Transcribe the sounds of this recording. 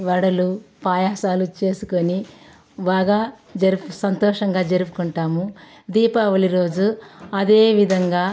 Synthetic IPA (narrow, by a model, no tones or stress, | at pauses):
ʋɐɽɐlupaːjaːsaːlut͡ʃe̞ːsukoni | baːɡaː | d͡ʒɐɾupusɐnt̪ɔːʂɐŋɡaːd͡ʒɐɾupukuɳʈaːmu | d̪iːpaʋɐliɾo̞ːd͡ʒuɐd̪e̞ːʋid̪ʱɐŋɡaː